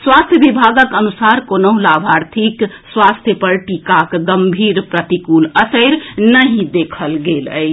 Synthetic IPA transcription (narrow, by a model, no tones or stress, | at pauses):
swast̪ʰjəbibʱaɡəkənusaɾkonəʊ̃labʱaɾt̪ʰikswast̪ʰjəpəɾʈikakɡəmbʱiɾpɾət̪ikuləsəjɾnəɦĩd̪ekʰəlɡelə̰j